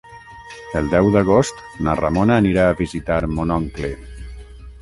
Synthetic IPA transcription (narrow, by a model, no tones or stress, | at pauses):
əlˠd̪ɛwd̪əɣ̞ost̪nara̰monaːniɾaːβizit̪aɾmonɔŋkle